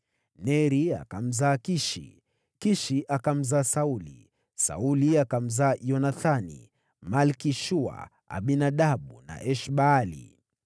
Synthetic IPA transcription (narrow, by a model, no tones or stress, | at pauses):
nɛɾia̰kam̩zaːkiʃḭ | kiʃiʔakam̩zaːsaulḭ | sa̰uliakam̩zaːjɔnaθanḭ | malkiʃua̰ | a̰ɓinaɗaɓuna̰ʔɛʃɓaːlḭ